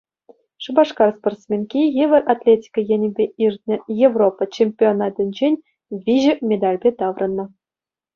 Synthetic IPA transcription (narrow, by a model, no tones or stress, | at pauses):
ʂɯ̆bɑʂkɑrsport̪smʲenkʲijeʋʲɘ̆rʔat̪ʲlʲetʲi̥kəjĕnʲɘ̆bʲeʔirʲt̪̚ʲnʲɘ̆jevropːɑt͡ɕemʲpʲionɑt̪ʲɘ̆nʲd͡ʑenʲ | vʲiʑɘ̆mʲed̪ɑlʲbʲet̪ɑʋrʔɤ̆nːɤ̆